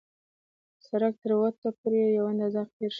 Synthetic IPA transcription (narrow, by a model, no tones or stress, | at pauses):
saɾak̚t̪əɾwat̪ːapuɾejawanazaɾpeɾʃ